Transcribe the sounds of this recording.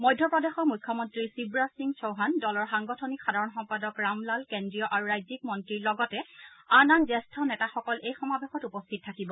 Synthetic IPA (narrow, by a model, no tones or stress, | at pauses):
mɔjdʱːɔpɹɔdexɔmujkʰːɔmɔntɹisibɹasiŋsowɦandɔlɔɹxaŋɡɔtʰɔnikxadʱaɹɔnxɔmpadɔkɹamlalkendɹijɔʔaɹuɹajzik̚mɔntɹiɹlɔɡɔtɛanaŋzɛstʰɔnɛtaxɔkɔlʔejxɔmabexɔtupɔstʰit̚tʰːakibɔ